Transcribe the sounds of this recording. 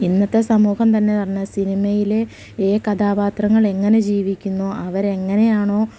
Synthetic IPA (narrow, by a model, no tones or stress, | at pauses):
inːɐt̪ːe̞sɐmuːhɐmt̪ɐnːe̞pɐrɐɲːɐsinimɐjile | eːkɐd̪aːpaːt̪rɐŋːɐɭe̞ŋːɐne̞d͡ʑiːʋikʲːunːuʔɐʋɐɾe̞ŋːɐne̞jaːɳo̞ː